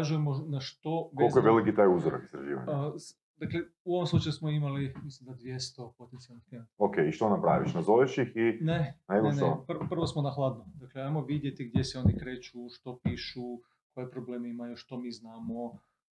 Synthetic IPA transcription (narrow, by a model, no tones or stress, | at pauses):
aʒujemonaʃt̪o̞ʋolkojeʋelikit̪ajuzoɾa̰ki̥st̪ɾaʒḭːʋa̰ɲ | d̪akle | uoʋomslˠut͡ʃajusmoimalimislimd̪ad̪ʋjest̪o̞po̞t̪ent̪sialnixt̪ent̪okeiʃt̪onapɾa̰ʋiʃnazojeʃixineneɡonet̪opr̩pr̩ʋosmonaxlˠaːd̪nod̪akleajmoʋid̪jet̪iɡd̪je̞seo̞nikɾe̞ːt͡ʃuʃt̪o̞piːʃu | ko̞jepɾo̞ble̞ːmeimajuʃt̪o̞miːznaːmo